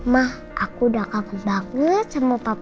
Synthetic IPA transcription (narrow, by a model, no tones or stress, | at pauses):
mah | ʔakudakaŋbaŋət̪̚t͡ʃəməp̪at̪